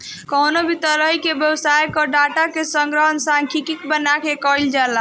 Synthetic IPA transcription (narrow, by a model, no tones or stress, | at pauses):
kɔɦnobʱit̪əɾəɦikebjəbsajkɔɖaʈakesəŋɡɾəɦənsãŋkʰikikbənakekɔild͡ʒala